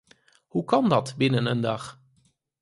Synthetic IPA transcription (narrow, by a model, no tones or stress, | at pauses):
hukɑndɑtbɪnənəndɑχ